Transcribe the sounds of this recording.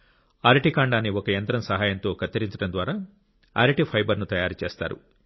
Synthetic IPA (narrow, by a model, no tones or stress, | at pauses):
aːɾiʈikaːɳɖaːnːiɔkɐjɐnt̪ɾɐmsɐɦaːjɐnt̪o̞ːkɐt̪ːɐɾiɲt͡ʃɐɽɐnd̪ʋaːɾaː | a̰ːɾiʈipʰɐjbɐɾnut̪ɐjaːɾut͡ʃeːst̪a̰ːɾṵ